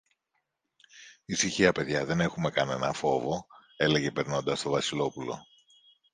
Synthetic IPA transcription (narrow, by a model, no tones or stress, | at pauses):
isiçiɐpe̞ðʝɐðe̞ne̞xume̞kɐne̞nɐfo̞vo̞e̞le̞ʝe̞pe̞ɾno̞nd̪ɐst̪o̞vɐsilo̞pulo̞̰